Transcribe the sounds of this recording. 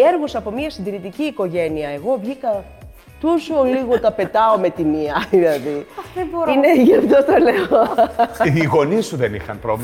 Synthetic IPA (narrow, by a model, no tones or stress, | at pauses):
eɾɣosɐpo̞miɐsind̪iɾit̪iciːko̞ʝe̞niɐe̞ɣo̞vʝikɐ | t̪usuoliɣot̪ɐpe̞t̪ɐo̞me̞t̪imiɐðilɐðiboineʝɐft̪oθɐle̞o | iɣo̞nist̪uðenḭxɐ̰npɾovli